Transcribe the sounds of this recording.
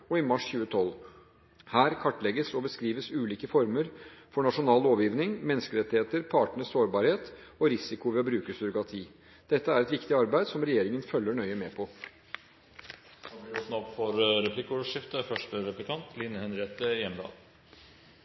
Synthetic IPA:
ɔɪmɑʂçʉːət̪ʰɔl | hæːɾkʰɑʈːlɛɡəsɔbəskɾiːʋəsʉːliːkəfɔɾməɾfɔɳɑʂʊnɑːloːʋjiːʋnɪŋmɛnskəɾɛt̪ːɪheːt̪əɾpʰɑːʈəɳəsoːɾbɑːɾheːt̪ɔɾɪsɪkʊʋɛɔbɾʉːkəsʏɾʊkɾɑt̪ʰiː | d̪̥ɛt̪ːəæɾɛt̪ʋɪkt̪ɪɑɾbæɪd̪sɔmɾɛjeːɾɪŋənfœlːəɳœʏəmɛːpʰɔ | ɑɪɔt̪n̩ɔpfɔɾɾɛpʰlɪkʂɪft̪əfœʂʈəɾɛplɪkʰɑnt̪ʰlɪnəhɛnɾeːt̪əjɛmd̪ɑ̰ːl

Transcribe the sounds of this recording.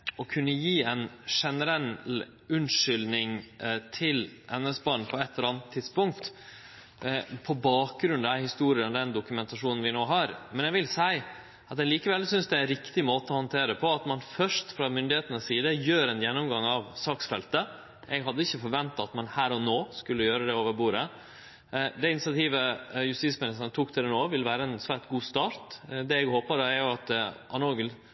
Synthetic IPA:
ɔkʰʉnːəjiːɛnʂɛnəɾɛl | ʉnʂʏlnɪŋt̪ʰɪlʔɛnːəsbɑːɳ̩pʰɔɛt̪ːəɾɑːnət̪ʰːɪd̪spʊŋk̚t̪ | pʰɔbɑːk̚ɡɾʉnd̪æhɪst̪uːɾɪənɔd̪ɛnd̪ʊkʉmɛnt̪ɑʂuːnən̩ʋɪnoːɦɑɾmɛnjɛɡʋɪlsæɪ | ɑt̪ɛliːkəʋɛlsʏnsd̪ɛæɪnɾɪkt̪ɪmoːt̪əɔhɑnt̪ʰeːɾəpʰɔɑt̪mɑnfœʂʈfɾɑmʏnd̪ɪheːt̪ənəssiːd̪əjøːɾɛnjɛnːʊmɡɑŋɑʋsɑːksfɛlt̪ə | ʔɛɡɦɑd̪ːəɪçːəfɔɾʋɛnt̪ɑɑt̪mɑnhæːɾɔnoːskʉlːəjøːɾəd̪ɛoːʋəɾbuːɾə | d̪ɛɪnɪsɪɑt̪ʰiːʋəjʉst̪iːtsmɪnɪst̪ənət̪ʰuːkt̪ʰɪlɛnoːʋɪləʋæːɾəɛnsʋæːʈɡuːst̪ɑːɾt̪d̪ɛɛɡhoːpəd̪ɑæɾjʊɑt̪ʔɑnoːɡəl

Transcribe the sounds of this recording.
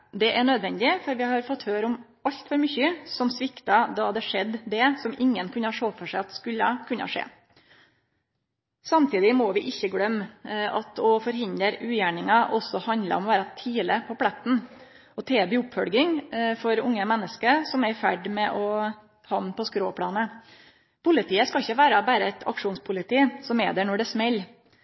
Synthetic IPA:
d̪ɛʔæɳøːd̪ʋɛnd̪ɪfɔɾʋɪhɑɾfɔt̪ːhøːɾɔm | ɑʎt̪fɔɾmʏçəsɔmsʋɪkt̪ɑd̪ɑd̪ɛʂɛd̪ːd̪ɛsɔmɪŋːənkʰʉnəhɑʂoːfɔʂæɪɑt̪skʉlːɑkʰʉnːə̰ɑ̰ʂḛː | sɑmt̪iːd̪ɪmɔːʋɪʔɪçːəɡɽœmːɑt̪ʰɔfɔɾɦɪnd̪əɾʉːjæːɳɪŋɑʔɔsɔhɑnd̪lə̰ɔmɔʋæːɾɑt̪ʰiːləpʰɔpʰlɛt̪n̩ | ɔt̪ʰeːbyːʊpːfœlɡɪŋfɔɾʊŋːəmɛnːəskəɾsɔmɛɾɪfæɖmɛʔɔ | hɑnpʰɔskɾoːpʰɽɑːnə | pʰʊlɪt̪ʰiːəskɑɪçːəʋæːɾɑbæːɾəɛt̪ʰɑ̰kʂuːnspʰʊlɪt̪iːsɔmɛ̰d̪ɛɳɔɖɛsmɛlː

